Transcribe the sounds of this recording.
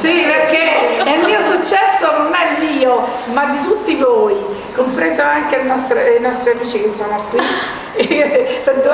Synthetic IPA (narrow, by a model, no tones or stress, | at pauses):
siperkeilmiːosut͡ʃːɛsːononɛmːiːo | mad̪ːit̪ut̪ːivoːi | kompɾezoaŋkelenɔst̪ɾeinɔst̪ɾiamiːt͡ʃikesːoːnoakːwi | ped̪o